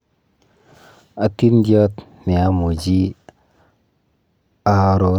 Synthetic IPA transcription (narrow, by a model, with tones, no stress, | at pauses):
a˨t̪i˦ndjɔ˦t̪ni˨a˨˦mu˨d͡ʒi˦ | a˦ɾo˨˦